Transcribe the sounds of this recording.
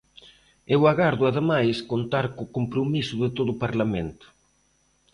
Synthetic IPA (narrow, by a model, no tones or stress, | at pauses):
ewaɣaɾðʊaðemajskont̪aɾkʊkompɾomisʊðɪt̪oðʊpaɾlament̪ʊ̥